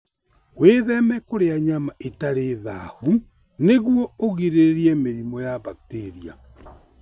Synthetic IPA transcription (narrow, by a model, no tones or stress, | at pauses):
weðɛmɛkoɾeaɲamaʔetaɾeða̰hu | neɣwɔoɣiɾeɾeɾiɛmeɾimɔjabak̚teɾia